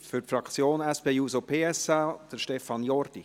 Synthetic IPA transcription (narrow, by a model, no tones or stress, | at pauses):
fʏɾtfɾɑkt͡sjoːnɛspeːjuːsopʰeːɛsad̥əʃtɛfɑnjɔɾd̥i